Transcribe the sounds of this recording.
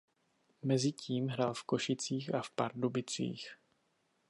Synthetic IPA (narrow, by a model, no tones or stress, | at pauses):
mɛzɪciːmɦɾalfko̞ʃɪt͡siːxafpaɾdubɪt͡sḭːx